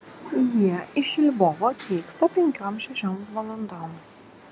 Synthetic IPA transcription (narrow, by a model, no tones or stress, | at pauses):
jiɛɪʃʲɪlʲboʋoːt̪ʲʋʲiːkst̪ɐpʲɛŋʲkʲɔːmʃʲɛʃʲomsʋolˠɐnd̪ɔːms